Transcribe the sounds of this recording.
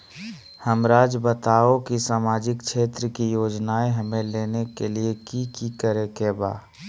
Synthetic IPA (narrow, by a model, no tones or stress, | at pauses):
həmɾaːd͡ʒbət̪aːokisaːmaːd͡ʒɪkt͡ʃʃʰeːt̪ɾəkijoːd͡ʒnaːeɦɐmẽleːnekeliekikikəɾekeːba̰ː